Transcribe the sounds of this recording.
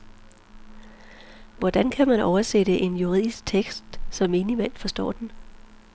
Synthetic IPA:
ʋɒd̥ænkʰæmænɒʊɐseɾəʔe̝njuʁið̰ˠisɡ̥̚t͡sʰeɡ̥sd̥sɒ̽me̝ːnimæn̰fɒ̽sd̥ɒ̰ːd̥en

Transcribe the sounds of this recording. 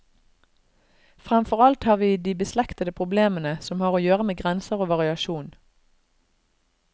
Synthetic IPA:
fʁɛmfɔʁɑlt̪hɑːʁʋiːd̪iːbəslɛkt̪əd̪əpʰʁʊbleːmənəsɔmhɑːʁoːjøːʁəmeːɡʁɛnsəʁoːʋɑʁɪɑʃuːn

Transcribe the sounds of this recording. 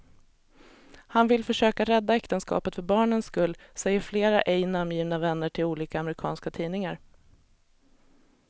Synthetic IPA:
hanvɪlfœʂøːkaɾɛd̪ːaɛkt̪ənskɑ̰ːpət̪fœɾbɑːɳənskɵlːsɛjːəɾfleːɾaʔɛjnamjiːvnavɛnːəʈʰɪluːliːkaːmɛɾɪkʰɑ̰ːnskat̪ʰiːnɪŋaɾ

